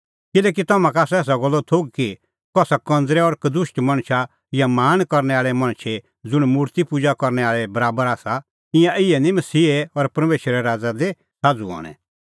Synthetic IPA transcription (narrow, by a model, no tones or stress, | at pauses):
kɪlɛːk̬it̪ɔmãkaːsɛːs̬aɡɔlːɔt̪ʰoɡki | kɔsakɐ̃nd͡zɾɛɔɾkɐd̪ʊʃʈmɐ̃ɽ̃ʃa | jamaːnkɔɾnɛaːɭɛmɐ̃ɽ̃ʃʰe | d͡zʊɽ̃muːɾt̪ipud͡zakɔɾnɛaːɭɛbɐɾaːbəɾaːsa | ɪ̃jãʔɪɛnĩmɐsiːeɔɾpɾɐmeːʃəɾɛɾaːd͡zad̪e | saːd͡zuɔ̰ːɽ̃ɛ̰̃